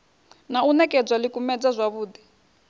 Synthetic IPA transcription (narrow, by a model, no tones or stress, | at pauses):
naunɛkʼɛd͡zwalikumɛd͡zazʷaβuːd̪i